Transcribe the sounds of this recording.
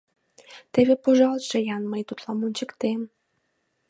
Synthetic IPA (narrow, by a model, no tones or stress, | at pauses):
t̪eβepoʒɑlˠʃejɑnməjt̪ut̪lɑmunʲt͡ɕə̆kt̪em